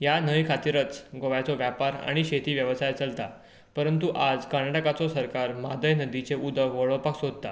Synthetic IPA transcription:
janəjkʰat̪iɾət͡sɡoʋat͡sɔʋjapaɾa̰ɽ̃iɕet̪iːʋjəʋsajt͡səlt̪a | pəɾənt̪̬uʔad͡zkənaʈəkat͡sosəɾkaɾmad̪əjnəd̪it͡seud̪ʱəʋəɭəpaksod̪̚ʱt̪a

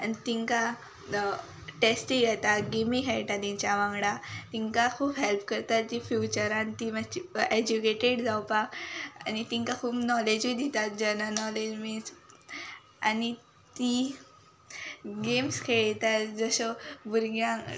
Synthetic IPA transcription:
ait̪iŋka | ʈesʈiɡɛt̪aɡemikʰɛjʈ̪at̪ĩɲt͡ɕaʋãŋɡɽat̪iŋkakʰuːbɦelpkəɾt̪at̪ifjut͡ɕəɾant̪imat͡ɕied͡ʑukeʈeɽd͡zawpaa̰nit̪iŋkakʰuːpnɔled͡ʑid̪it̪at̪̚d͡ʑənənɔled͡ʑmis | ani | t̪i | ɡemskʰeɭt̪ad͡zəsəbʱuɾɡjã

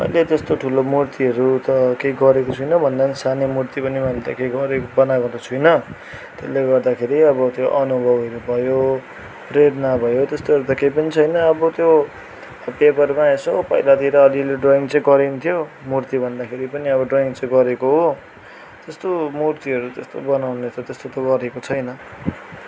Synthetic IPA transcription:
mʌ̰jlet̪est̪oʈʰulomurt̪iʌɾut̪ʌkejɡʌɾekot͡sʰujnʌbʱʌnd̪anisanemurt̪ipʌnimʌjlet̪ʌ̰kejɡʌɾekbʌnaɡʌd̪t͡sʰujnʌ | t̪eleɡʌrd̪akʰeɾiʌbʌt̪joʔʌnubʱʌbʌɾubʱʌjo | reɾnabʱʌjot̪est̪oɦʌɾut̪ʌkejpʌnit͡sʰʌjnʌːbʌt̪jo | pepʌrmaesopʌjlat̪iɾʌːlileɖroiŋt͡sʌ̃j̃ɡʌɾint̪ʰijo | murt̪ibʱʌnd̪akʰeɾipʌniʌβʌɖroiŋt͡sʌj̃ɡʌɾekoɦo | t̪est̪omurt̪iɦʌɾut̪est̪obʌnawnet͡s̪ʰʌt̪est̪ot̪oɡʌɾekot͡sʰʌjnʌ

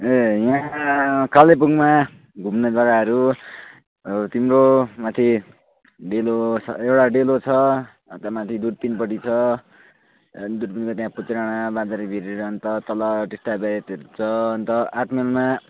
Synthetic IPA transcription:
ejã | kalep̬uŋma | ɡʱumnʌd͡zʌɡaɦʌɾu | t̪imɾomat̪ʰi | ɖelot͡sʰʌ̰ewʈaɖelot͡sʰʌ | t̪jamat̪ʰid̪uɽ̚pinpʌʈit͡sʰʌ | d̪uɽpinkot̪jãput͡sɾaɽ̃abãd͡z̪aɾibʱiɾeɾʌnt̪ʌt̪ʌlʌʈisʈabajet̪ʌɾut͡sʰʌʌnt̪ʌaʈmelma

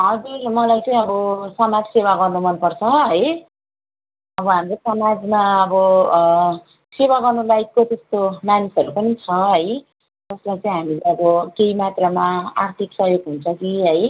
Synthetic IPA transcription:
ɦʌd͡zurmʌlajt͡sʌĩʌbʌsʌmad͡zsewaɡʌrnumʌnpʌrt͡sʰʌɦʌj | ʌbʌɦamrosʌmad͡zmaʌbʌ | sewaɡʌrnulajkkot̪est̪omanisʌɾupʌnit͡sʰʌɦʌj | d͡zʌslajt͡sʌ̃ĩɦamileʌbʌkeimat̪ramaart̪ʰiksʌɦjoɡɦunt͡sʰʌkiɦʌj

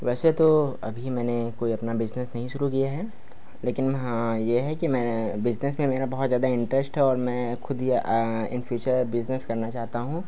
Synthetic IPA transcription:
ʋɛːset̪oɐ̰bʱimɛ̃ːnekoːiɐpnabɪd͡ʒnesnɐɦĩʃʊɾukijaɦɛː | leːkɪnɦajeɦɛkimɛ̃ːbɪd͡ʒnesmẽmeːɾabɐɦʊt̪zjaːd̪aɪ̃ɳʈɾɛsʈɦɛɔːɾmɛ̃ːxʰʊd̪ʱiɪ̰nfʰjuːt͡ʃəɾbɪzneskɐɾnat͡ʃaːɦt̪aɦũ

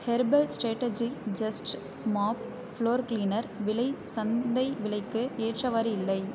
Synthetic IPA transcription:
hɛɾbɛlsʈɾeːʈːed͡ʒid͡ʒɐsʈ | maːp | fɭoːɾkliːnɐɾʋɪlɐɪsɐnd̪ɐɪʋɪɭɐɪkːɯeːʈrɐʋaːɾɯɪlːɐɪ

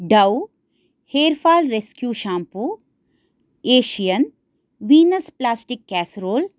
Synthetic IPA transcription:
ɖɐw | heːɾfaːlɾeskjuːʃãːmpu | eːʃijən | ʋiːnəsplaːsʈikːɛːsɾoːl

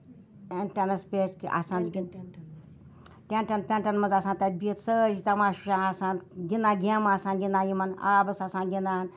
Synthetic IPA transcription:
enʈanɐspʲeʈka̰sãːnɡʲ | ʈeɳʈanpʲeɳʈanmɐzaːsãːnt̪abit̪səːɾit̪amaːʃuʃãːnasãːnɡinaːɡʲemaːsãːnɡʲinaːjimɐna̰ːbɐsasãːnɡʲinaːn

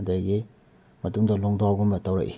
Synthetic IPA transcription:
daje | mɐtuŋdɐloŋdohawɡumbɐtɐwɾɐ̰kʔi

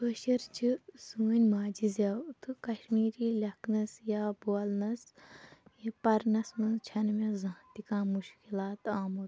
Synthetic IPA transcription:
poʃɐɾt͡ʃʰisuːnʲmaːd͡ʒizat̪ʰɨkɐʃmiːɾiːlʲɐknɐsjaːboɐlnɐs | jepɐɾnɐsmɨt͡ʃʰɐnmezãːt̪ikãːmuʃkilaːt̪aːmot̪

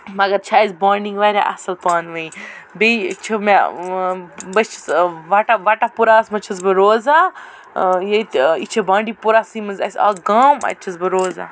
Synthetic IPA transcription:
mɐɡɐɾt͡ʃʰaːjzbaːɾniŋɡʋaːɾʲa̰ʔɐ̰sɐlpaːnʋɐibet͡ʃʰɐma | bɐst͡ʃʰɐ̥sʋaʈaʋaʈapuɾasmɐt͡ʃʰɐsbɨɾoːzaː | jɐt̪it͡ʃʰɐbãːɳɖiːpuɾasĩːmɐnza̰sʲa̰ːɡaːmɐ̰t͡ʃʰɐsbɨɾoːza̰ː

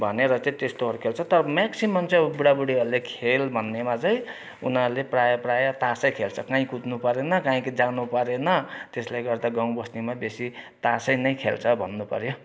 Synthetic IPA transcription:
bʱʌneɾʌt͡sʌ̃t̪est̪oɦʌɾukʰelt͡sʰʌt̪ʌɾʌmaksimʌmt͡sʌjbuɽabuɽiʌɾlekʰelbʱʌnːemat͡sʌj̃ | ṵnʌleprajʌprajʌt̪asʌjkʰelt͡sʰʌkãĩkut̪nupʌɾenʌkãĩkid͡zanupʌɾenʌt̪esleɡʌrd̪aɡãw̃bʌsnimabesit̪asʌjnʌj̃kʰelt͡sʰʌbʱʌnːupʌ̰ɾjo

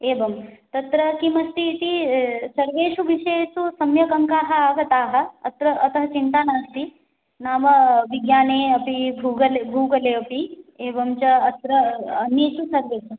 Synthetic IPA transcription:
eːbɐmt̪ɐt̪ɾɐkimɐst̪it̪isɐɾʋeːʂubʱiʃeːsusɐmjɐkɐŋkaːɦɐ̆aːɡɐt̪aːɦɐ̆ɐt̪ɾɐʔɐt̪ɐɦɐt͡ʃint̪aːnaːst̪i | naːmɐʋiɡjaːneːɐpibʱuːɡɐlebʱuːɡɐleːɐpieːbɐmt͡ʃɐɐt̪ɾɐɐnjeːt̪usɐɾʋeːʃu

